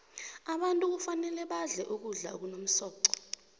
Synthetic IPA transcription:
aɓantʼuk̬ufanɛlɛɓaɮɛʔuk̬uɮa̰ok̬unom̩sɔːǀɔ̥

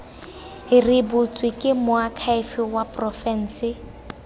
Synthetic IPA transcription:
ɪrɪbʊt͡sʼwɪkʼɪmʊakʰaɪfɪwapʼrɔfɛn̩ːsɪ

